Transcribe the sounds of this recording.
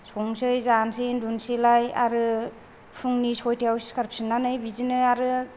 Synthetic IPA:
sɔŋsɯjzansindunsilaja̰ɾɯ | pʰuŋnisɔjtʰijawskʰaɾp̚sinːanɯjbizinɯjaɾɯ

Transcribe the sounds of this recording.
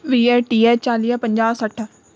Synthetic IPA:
ʋiːɛːʈiːɛːt͡ʃaːlijapəɲd͡ʒaːsəʈʰ

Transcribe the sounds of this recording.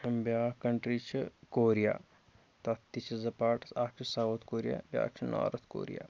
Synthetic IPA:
bjaːkɐɳʈɾit͡ʃʰikoːɾija̰ː | t̪ɐt̪ːit͡ʃʰizɐpaːʈsaːk̚t͡ʃʰisaoːt̪koːɾija̰ːbʲja̰ːk̚t͡ʃʰina̰ːɾɐt̪ʰko̰ːɾija̰ː

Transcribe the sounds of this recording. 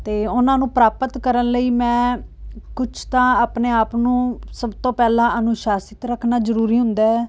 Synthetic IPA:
t̪eːʊnãːnũːpɾaːpət̪kəɾənləiːmɛ̃ː | kʊt͡ʃʰt̪ãːaːpneːaːpnũːsəbt̪õːpɛːlãːʔənũːʃaːsɪt̪ɾəkʰnaːzəɾuːɾiːɦʊ̃nd̪aːɦɛː

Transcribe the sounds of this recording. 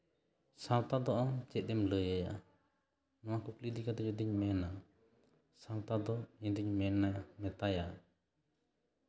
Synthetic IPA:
sãwt̪ad̪ɔʔɔmd͡ʒɛt̪̚ˀd̪ɛmləjaja̰ | nɔ̃wakuklid̪ikad̪ɔɔd̪iɲmɛna | sawt̪ad̪ɔɛ̃d̪iɲmɛnamɛt̪aja

